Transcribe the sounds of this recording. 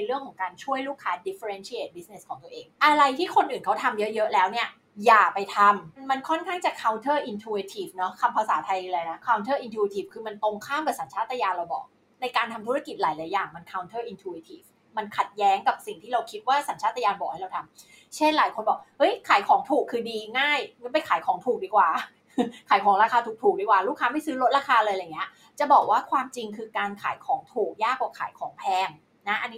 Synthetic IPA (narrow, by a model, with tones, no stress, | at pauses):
n˧jɾɯ˥˩əŋkʰɔː˩˦ŋkaː˧nt͡ɕʰu˥˩əjluː˥˩kʰːaː˦˥di˦˥fe˧ɾe˧nt͡ɕʰi˦ʔeː˨˩t̪̚bi˦˥sne˧˥skʰɔː˩˦ŋt̪u˧ʔeː˧ŋʔa˧ɾa˧jt̪ʰiː˥˩kʰo˧nʔɯː˨˩nkʰa˦˥wt̪ʰa˧mjɤ˦˥ʔjɤ˦˥ʔlɛː˦˥wni˥˩ɐ | jaː˨˩pa˧jt̪ʰa˧mnma˧nkʰɔ˥˩nkʰaː˥˩ŋt͡ɕa˨˩kʰa˧˥wnt̪ʰɤː˥˩ʔi˧nt̪ʰuː˧wi˧t̪ʰiː˨˩fnɔ˦˥kʰa˧mpʰa˧saː˩˦t̪ʰa˧ji˧lɤː˧jna˦˥kʰa˧wnt̪ʰɤː˥˩ʔi˧nt̪ʰu˧i˧t̪ʰiː˨˩fkʰɯː˧ma˧nt̪o˧ŋkʰaː˥˩mkɛː˨˩sa˩˦nt͡ɕʰaː˥˩t̪ːa˧jaː˧nɾa˧wbɔ̰ː˨˩k̚ | na˧jkaː˧nt̪ʰa˧mt̪ʰu˦˥ɾa˧ki˨˩t̪̚laː˩˦jlaː˨˩˦jaː˨˩ŋma˧nkʰa˧˥wnt̪ʰɤː˥˩ʔi˧nt̪ʰuː˧wi˧t̪ʰiː˨˩f | ma˧nkʰa˨˩t̪̚jɛː˦˥ŋka˨˩p̚si˨˩ŋt̪ʰiː˥˩ɾa˧wkʰi˦˥t̪̚waː˥˩sa˨˩˦nt͡ɕʰaː˥˩t̪ʰːa˧jaː˧nbɔ˨˩k̚ha˥˩jɾa˧wt̪ʰa˧m | t͡ɕʰe˥˩nlaː˨˩˦jkʰo˧nbɔː˨˩k̚hɤ˦˥jkʰaː˨˩˦jkʰɔː˩˦ŋt̪ʰuː˨˩kʰːɯː˧diː˧ŋaː˥˩jŋa˦˥np̬a˧jkʰaː˩˦jkʰɔː˩˦ŋt̪ʰuː˨˩k̚diː˧kwaː˨˩ | kʰaː˩˦jkʰɔː˩˦ŋɾaː˧kʰaː˧t̪ʰuː˨˩k̚t̪ʰuː˨˩k̚diː˧kwaː˨˩ɾuː˥˩kʰːaː˧ma˥˩jsɯː˦˥ɾo˦˥t̪̚ɾaː˧kʰaː˧lɤː˧jŋː˩i˦˥ɐ | t͡ɕa˨˩bɔː˨˩k̚waː˥˩kʰwaː˧mt͡ɕi˧ŋkʰɯː˧kaː˧nkʰa̰ː˩˦jkʰɔː˩˦ŋt̪ʰuː˨˩k̚jaː˥˩kwaː˨˩kʰa̰ː˨˩˦jkʰɔː˩˦ŋpʰɛː˧˩n | na˦˥ʔa˧nːi˦˥